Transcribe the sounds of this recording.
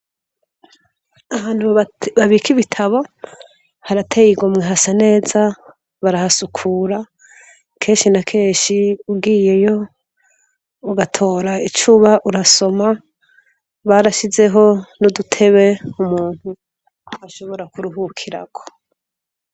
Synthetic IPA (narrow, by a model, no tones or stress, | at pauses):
aβaːn̥huβaβikiβitʰaβo̞ | haɾatʰejiɡomŋeɦasane̞ːza | βaɾahasukʰuːɾa | kʰe̞ːnʃinakʰe̞ːnʃiubɡiːje̞jo̞ | uɡatʰo̞ːɾait͡ʃuːβaʔuɾaso̞ma | βaɾaʃize̞ɦo̞nudutʰe̞βe̞umuːn̥hu | aʃo̞βo̞ɾakuɾuɦukʰiɾa̰ɡo̥